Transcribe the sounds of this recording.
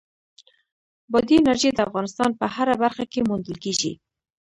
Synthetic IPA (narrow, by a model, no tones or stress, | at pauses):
bɑd̪iɪnaɾʒed̪əafɣɑnɪst̪ɑnpəhaɾabaɾxakemund̪əlkeʒḭ